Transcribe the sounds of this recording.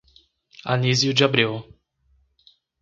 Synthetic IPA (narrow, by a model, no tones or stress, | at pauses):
a̰nizjʊd͡ʒɪabɾiw